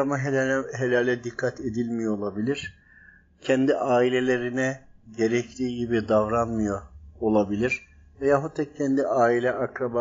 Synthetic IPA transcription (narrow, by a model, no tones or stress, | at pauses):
amaɦeɦelʲalʲɛd̪ikʰːat̪ʰed̪ilʲmijoolˠabilʲiɾ̥ | cʰɛnd̪iʔaːilʲe̞lʲe̞ɾinɛɟe̞ɾɛclʲiːɟibid̪avɾanmɯjoolˠabilʲiɾ̥ | vɛjaɦut̪ʰːɛcʰɛnd̪iʔaːilʲɛʔakɾaba